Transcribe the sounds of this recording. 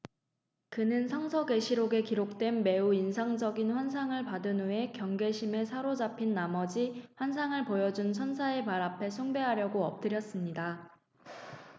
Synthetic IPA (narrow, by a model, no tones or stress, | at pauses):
kɯnɯnsʰaŋsʰʌɡe̞ɕʰiɾoɡe̞kiɾok̚t͈we̞nme̞uinsʰaŋd͡ʑʌɡinɸwansʰaŋɯɭpadɯnɦue̞kjʌŋɡe̞ɕʰime̞sʰaɾod͡ʑapʰinːamʌd͡ʑiɸwansʰaŋɯɭpojʌd͡ʑunsʰʌnsʰae̞paɾapʰe̞sʰuŋbe̞ɦaɾjʌɡoʌp̚t͈ɯɾjʌs͈ɯmɲida